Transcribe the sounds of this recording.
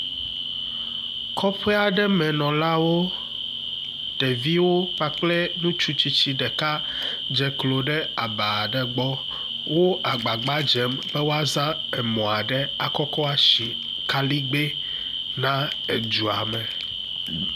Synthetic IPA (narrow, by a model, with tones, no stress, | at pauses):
kɔ˦ɸɛ˦a˨ɖɛ˦mɛ̃˨nɔ̃˨la˦wo˦ | tɛ˨vi˦wo˦k͡pa˦k͡plɛ˦nũ˦t͡ʃu˦t͡ɕi˦t͡ɕi˦ɖɛ˨ka˦ | d͡ʒɛ˨klo˨ɖɛ˦a˨ba˨ɖɛ˨ɡ͡bɔ˦ | wo˦a˨ɡ͡ba˨ɡ͡ba˦d͡ʒɛ˦mbɛ˦wo˦a˦zã˦ | ɛ˨mɔ̃˨a˨ɖɛ˦a˨kɔ˦kɔ˦a˨ʃi˨ | ka˦li˦ɡ͡be˦ | nã˦ | e˨d͡ʒu˨a˨mɛ̃˨